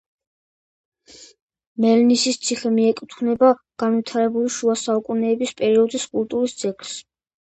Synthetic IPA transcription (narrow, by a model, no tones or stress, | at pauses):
mɛlnisist̪sʰiχɛmiɛkʼut̪ʰunɛbaɡ̥anvit̪ʰaɾɛbuliʃuasaukʼunɛːbispʼɛɾiɔd̪iskʼulˠt̪ʼuɾisd̪z̥ɛɡɾs